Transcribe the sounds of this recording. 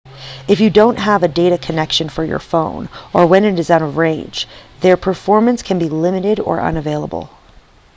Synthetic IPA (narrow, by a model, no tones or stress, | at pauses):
ɨfjɨdõʊ̃nʔɦəvɨdeɪɾɨkʰɨnɛkʃɨ̃nfə˞jə̰˞fõʊ̃nə˞wɨ̃nɨɾɨzaʊɾʌvɹẽɪ̃nd͡ʒðə˞pʰə˞fɔɹmɨ̃nskʰɨ̃nbilɪ̃mɨɾɪɾə̰˞ʔʌ̰̃nɨveɪlˠə̰b̰l̩ˠ